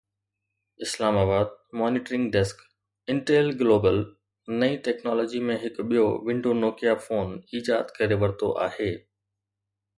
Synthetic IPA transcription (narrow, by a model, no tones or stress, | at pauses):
ɪslaːmaːbaːd̪̚mɔːnɪʈɾɪ̃ŋɡɖɛsk | ɪ̃ɳʈeːlɡloːbəl | nɐiʈɛːknɔːlɔːd͡ʑimẽɦɪkɓijoʋɪ̃ɳɖonoːkijafoːniːd͡ʑaːd̪kɐɾeʋɐɾt̪o̰ʔa̰ːheː